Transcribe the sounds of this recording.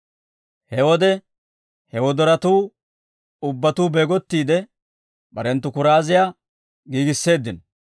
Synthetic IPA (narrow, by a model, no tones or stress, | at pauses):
hɛwɔd̪ɛ | hɛwɔd̪ɔɾɐt̪uː | ʊbːɐt̪uːbe̞ːɡɔt̪ːiːd̪ɛ | bɐɾɛnt̪ːʊkʊɾaːzɪja | ɡiːɡɪsːe̞ːd̪ːɪn